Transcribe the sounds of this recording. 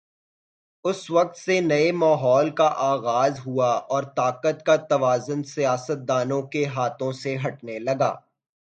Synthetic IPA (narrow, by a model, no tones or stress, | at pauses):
ʊsʋɐq̚t̪senɐemaːɦɔːlkaʔaːɣaːzɦuaʔɔːɾt̪aːqət̪kat̪ɐʋaːzʊnsijaːsət̪̚d̪aːnõkeɦaːt̪õseɦɐʈnelɐɡa̰ː